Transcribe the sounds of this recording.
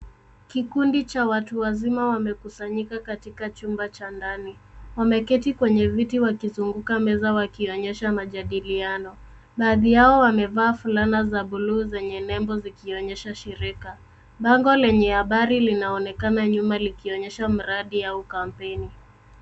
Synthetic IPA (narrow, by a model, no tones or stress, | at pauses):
kikundit͡ʃawatuwazimawamɛkusaɲikakatikat͡ʃumbat͡ʃandaniwamɛkɛtikwɛɲɛvitiwakizuŋɡukamɛzawakiɔɲɛʃamaʄaɗilianɔ | ɓaːðijaɔwamɛvaːfulanazaɓuluːzɛɲɛnɛmbɔzikiɔɲɛʃaʃiɾika | ɓaŋɡɔlɛɲɛhaɓaɾilinaɔnɛkanaɲumalikiɔɲɛʃam̩ɾaɗiaukampɛni